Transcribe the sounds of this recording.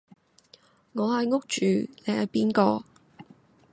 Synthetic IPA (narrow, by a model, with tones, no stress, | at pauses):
ŋɔː˨˧hɐ˨jŋʊ˥k̚t͡ʃyː˨le˨˧jhɐ˨jpiː˥nkɔː˧